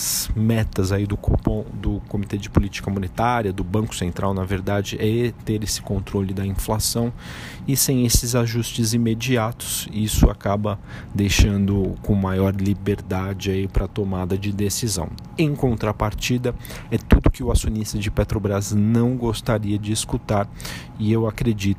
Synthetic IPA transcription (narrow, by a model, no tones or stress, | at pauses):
smɛt̪ɐzaid̪ʊkopõd̪ʊkomit̪ed͡ʒɪpʊlit͡ʃi̥kɐmõnet̪aɾiɐd̪ʊbɐ̃ŋkʊ̥sẽnt̪ɾʔa̰wnɐveɾd̪ad͡ʒɪʔɛt̪eɾesɪ̥kõnt̪ɾolɪd̪ɐĩflasɐ̃w̃ | ɪsẽj̃esɪzaʒust͡ʃɪzimed͡ʒiat̪ʊ̥sisʊa̰kabɐ | d̪ejʃɐ̃nd̪ʊkõmajɔɾlibeɾd̪ad͡ʒɪaipɾɐt̪omad̪ɐd͡ʒɪd̪esizɐ̰̃w̃ | ẽkõnt̪ɾɐpaɾt͡ʃid̪ɐ | ɛt̪ud̪ʊkɪʊasjonist̪ɐd͡ʒɪpet̪ɾobɾaznɐ̃w̃ɡost̪aɾiɐd͡ʒɪːskut̪aɾ | ɪewakɾed͡ʒit̪ʊ